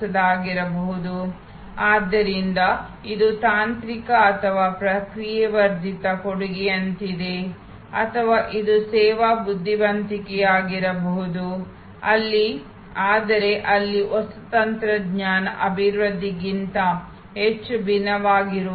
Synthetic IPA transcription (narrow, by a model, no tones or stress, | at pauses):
ɐd̪aːɡiɾɐbɐɦud̪u | aːd̪ːɐɾind̪ɐ | id̪ut̪aːnt̪ɾikɐːt̪ʰɐʋaːpɾɐkɾijɐʋɐɾd̪ʱit̪ɐkoɽuɡɛjɐnt̪id̪e̞ | ɐ̰t̪ʰɐʋaːʔid̪usɛːʋabud̪ʱːiʋɐnt̪ikɛjaːɡiɾɐbɐɦud̪u | ɐ̰lːi | aːd̪ɐɾe̞ʔɐlːiʔɔsɐt̪ɐnt̪ɾɐdɲaːnɐʔɐbʱiɾʋɐd̪ʱːiɡint̪ɐ | ɦet͡ʃːubʱinɐʋaːɡiɾu